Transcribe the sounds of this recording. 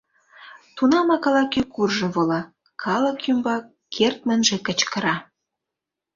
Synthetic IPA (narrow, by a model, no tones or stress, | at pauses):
t̪unɑmɑkɑlɑkykurʒɤ̆βolɑ | kʰɑlə̆kymbɑkːʰert̪̚mə̆nʒĕkə̆t͡ɕkə̆ɾɑ